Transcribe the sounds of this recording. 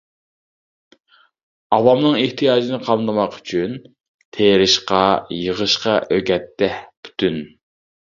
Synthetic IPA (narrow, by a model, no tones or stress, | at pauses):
ɑwɑmnɨŋeht̪ʰijɑːd͡ʒinɨqʰɑmd̪ɨmɑqy̥t͡ʃʰyn | t̪ʰeːɾɪʃqɑjəʁəʃqɑʔøɡʲɛt̪ːɛhpʰy̥t̪ʰyn